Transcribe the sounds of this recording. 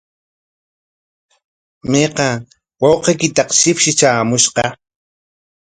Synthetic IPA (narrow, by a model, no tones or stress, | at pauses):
meqɑ | wɑwqejkɪt̪ɑqʃɪpʃɪt͡ʃaːmʊʃqɑ